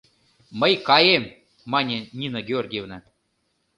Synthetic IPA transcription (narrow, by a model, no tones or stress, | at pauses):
məjkɑjemː | ɑnʲenʲinoɡʲeorɡʲijevnɑ